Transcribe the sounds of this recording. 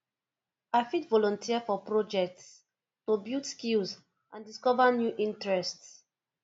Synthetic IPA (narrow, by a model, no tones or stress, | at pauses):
aɪfitvɔlɔ̃ntʰiafɔpɹɔd͡ʒɛk̚ts | tobildskilz | ʔãndiskɔvanjuʔĩntɹɛsts